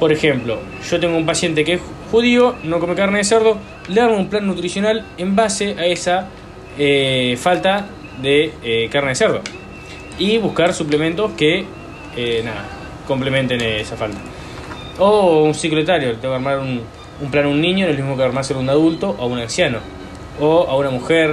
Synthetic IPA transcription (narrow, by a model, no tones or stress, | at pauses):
po̞ɾexe̞mplo̞ | ʒ̥o̞t̪eŋɡoumpasje̞nt̪ekees | xuðiono̞ko̞mekaɾneðeseɾðo̞ | leaɾmoumplanːut̪ɾisjonalembaseʔaesa | efalt̪a | ðekaɾneðeseɾð̞o̞̰ | iβuhkaɾsuplemẽnt̪o̞ske | enaða̰ | ko̞mplemẽnt̪enesafalt̪a | ounsiklet̪aɾjolet̪eŋɡkaɾmaɾun | umplanunːĩɲonelmiɦmokeaɾmaɾselunaðult̪o̞ʔaunansjano̞ | oaunamuxeɾ